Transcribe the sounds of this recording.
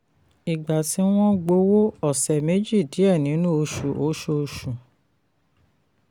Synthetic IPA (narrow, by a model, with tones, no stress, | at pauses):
i˨ɡ͡ba˨ti˨˦w̃ɔ̃˦ɡ͡bo˧˦wo˦ɔ˦˨sɛ˨me˨˦d͡ʒi˦˨di˨˦ɛ˦˨nĩ˨˦nũ˦o˧˦ʃu˨o˨˦ʃo˧ʃu˨